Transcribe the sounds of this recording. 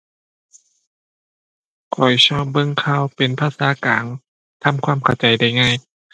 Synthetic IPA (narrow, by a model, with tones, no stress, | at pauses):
kʰɔ˨˩jsʰɔː˧˥˩p̚bɤ˧˥˨ŋkʰaː˧˥˨wpe˨npʰaː˧˥˩saː˨˦kaː˨˦n | t̪ʰa˧˥˨mkʰwaː˧˥˨mkʰa˧˩wt͡ɕa˨˦jda˧˩jŋaː˧˥˩j